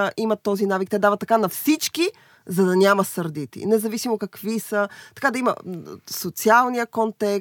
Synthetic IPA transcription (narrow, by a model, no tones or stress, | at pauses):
ʔimɐt̪ːɔzinavik̚t̪ɛd̪avət̪ːɐkanɐfsit͡ʃki | zɐd̪ɐnʲamɐsɐɾd̪it̪ḭnɛzɐvisimokɐkvisət̪ɐ̥kad̪ɐimə̰sot̪sialˠnijəkont̪ɛ